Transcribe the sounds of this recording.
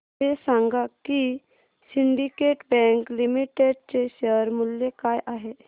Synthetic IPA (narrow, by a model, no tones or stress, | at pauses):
esãŋɡaki | siɳɖikeʈbɛ̃ŋklimiʈeɖt͡seʃəɾmuljekaːjʔaɦe